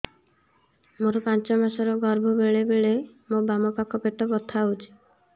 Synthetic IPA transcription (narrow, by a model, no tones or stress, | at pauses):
moɾɔpant͡ʃɔmasɔɾɔɡɔɾbʱɔbeɭebeɭe | mobamɔpakʰɔpeʈɔbɔt̪ʰaut͡ʃʰi̥